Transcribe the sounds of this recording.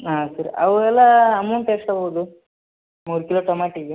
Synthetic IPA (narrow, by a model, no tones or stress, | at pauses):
aːsɐɾɐ̰ʋɛlːɐːmɐwɳʈeːʂʈaboːd̪u | muːɾkiloːʈɐmaːʈiɡe